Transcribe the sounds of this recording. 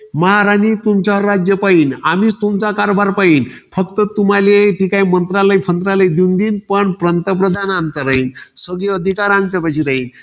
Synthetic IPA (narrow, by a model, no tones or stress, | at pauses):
məɦaɾanit̪umt͡ɕaɾad͡ʑjəpainamit͡st̪umt͡sakaɾbʱaɾpainfʰəkt̪ət̪um̤aleʈikaimənt̪ɾaləjpʰənt̪ɾaləjd̪ind̪inpəɳpɾənt̪əp̬ɾəd̪ʱanamt͡saɾəɦinsəɡleəd̪ʱikaɾãŋɡt͡sapat͡ɕʰiɾəɦin